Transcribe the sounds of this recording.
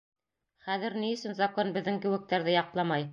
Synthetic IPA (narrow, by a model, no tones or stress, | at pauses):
χæðɘ̆ɾniɵ̆sɵnzɑkonbɘ̆ðːɘŋkɘ̆wɘ̆k̚t̪æɾðɘjɑqlˠɑmɑj